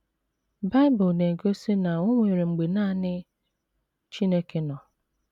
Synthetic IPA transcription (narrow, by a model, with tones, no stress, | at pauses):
ba˦ɪ˦bʊ˨lne˨ɡo˦se˦na˨ʊ˦ŋʷe˨ɾi˨ŋ͡m̩˨ɡ͡be˨naː˦˨nɪ˦ | t͡ʃi˦ne˦ke˦nɔ˨